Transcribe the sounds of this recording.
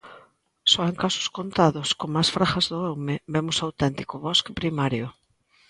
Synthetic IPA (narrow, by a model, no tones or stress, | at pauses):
sɔeŋkasʊ̥skont̪aðʊskoŋmasfɾaxazðʊewmɪbɛmʊsawt̪ɛnt̪i̥kʊβɔskepɾimaɾjʊ